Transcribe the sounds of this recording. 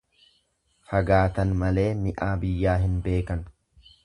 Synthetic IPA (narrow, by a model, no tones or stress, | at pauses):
fɐɡaːt̪ɐnmɐle̞ːmɪʔaːbɪjːaːɦɪnbe̞ːkɐn